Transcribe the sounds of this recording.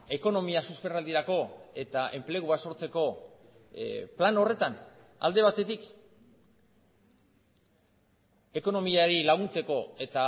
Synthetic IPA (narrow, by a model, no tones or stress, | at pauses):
e̞ko̞no̞miasuspe̞rald̪iɾako̞e̞t̪aʔe̞mple̞ɣ̞uaso̞ɾt͡se̞ko̞ | plano̞re̞t̪an | a̰ld̪e̞β̞at̪e̞t̪ik | e̞ko̞no̞miaɾilaɣ̞unt͡se̞ko̞e̞t̪a